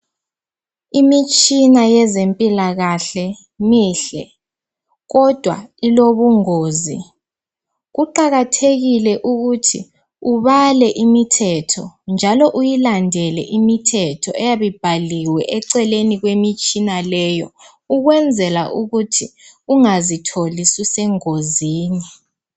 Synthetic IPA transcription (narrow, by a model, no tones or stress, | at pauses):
imit͡ʃʼinajɛzempʼilaɣaɬɛ | miːɬɛ | ɣɔd̥ʱwa̰iloβuŋoːzḭ | ɣuǃaɣatʰeɣilɛʔuɣutʰḭ | uβalɛʔimitʰɛtʰɔnd͡ʒʱalɔʔujilandʱɛlɛ̰ʔimitʰɛtʰɔɛjaβib̥ʱaliwɛʔɛǀɛleniɣwemit͡ʃʼinalɛjɔ | uɣwɛnd͡zʱɛlaʔuɣutʰiuŋazitʰolisisɛŋoziːni